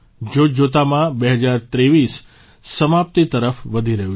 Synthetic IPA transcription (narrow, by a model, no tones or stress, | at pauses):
d͡ʒod͡ʒot̪amãbeɦəd͡ʒaɾt̪ɾeʋisː | əmap̚t̪it̪əɾəfʋəd̪ʱiɾəɦju